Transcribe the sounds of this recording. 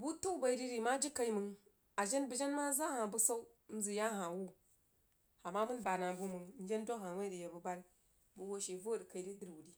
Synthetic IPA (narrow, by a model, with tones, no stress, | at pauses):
bu˦tu˦ba˨i˨ɾi˦ɾi˨ma˦d͡ʒi˦ka˨˦i˦mɨ˨ŋ | a˨ʒe˦nbu˨d͡ʒe˦nma˦za˦ha˨bu˦sa˦u˦n̩˦zi˨ja˦ɦa˨wu˦ | a˨mːa˦mu˦nba˨na˨bu˦mɨ˨ŋn̩˦d͡ʒe˦ndo˦ɦa˨we˦ɾi˨je˨bu˨ba˦l | bu˦wo˦ʃe˨vo˦˨di˨ka˨i˨di˦di˦ɾwu˨di˨